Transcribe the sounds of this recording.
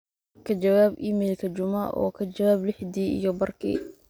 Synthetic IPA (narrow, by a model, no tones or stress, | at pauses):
kʰɐt͡ʃɐwaːbiːmɛːlkʰɐt͡ʃʊmɐʔɔ̰ːkʰɐd͡ʒɐwaːblɪħd̪iːḭjɞbɐrkʰḭː